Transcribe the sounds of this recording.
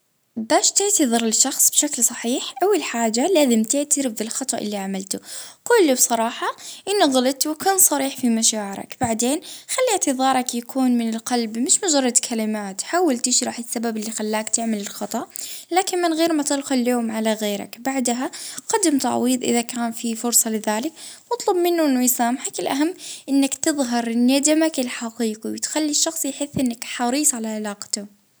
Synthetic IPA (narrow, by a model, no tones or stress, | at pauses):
baːʃt̪ɪʕt̪ɨðˤɨɾˤɪlʃɑxsˤb̥ʃaklsˤɑħiːħʔawːɪlħaːd͡ʒalaːzɪmt̪ɪʕt̪ɪɾɪbðɪlxɑt̪ˤɑʔɪlːiʕamɪlt̪ʊqʊːlːibsˤɑɾˤɑːħɑʔɪnːuɣalɪt̪wɪkaːnsˤɑɾiːħfimaʃaːʕɪɾɑ̰kb̥aʕd̪eːnxalːiʕt̪ɨðˤɑːɾˤɑkjakʰuːnmɪnɪlqɑlbmɪʃmʊd͡ʒɑrˤːɑd̪kʰalɪmaːt̪ħawːalt̪ɪʃɾˤɑːħɪsːababɪlːixalːaːkt̪ɪʕmɪlɪlxɑt̪ˤɑʔlaːkɪnmɪnɣeːɾmat̪ɪd̪xʊljoːmʕalaɣeːɾa̰kbaʕd̪ɦaqɑd̪ɪmt̪a̰ʕwiːðˤʔɪ̰ðakaːnfifʊɾsˤɑlɪðaːlɪkwɑt̪ˤlɑbmɪnːʊʔɪnːʊjsaːmħakɪlʔaɦamːʔɪnːakt̪ɨðˤɦɑɾˤnːad̪amakɪlħɑqiːqiwɪt̪xalːiʃːɑxsˤjħɪθːʔɪnːakħɑɾiːsˤʕalaʕɪlaːqt̪ʊ